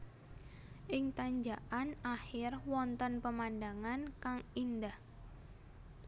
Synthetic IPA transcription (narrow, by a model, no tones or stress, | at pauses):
ʔɪŋt̪aɲd͡ʒaʔanahɪrwɔnt̪ɔnpəmandaŋankaŋindah